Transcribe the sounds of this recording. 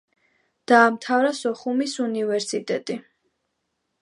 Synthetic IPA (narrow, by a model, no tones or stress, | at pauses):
d̪̥aːmt̪ʰavɾasɔχumisunivɛɾsit̪ʼɛt̪ʼi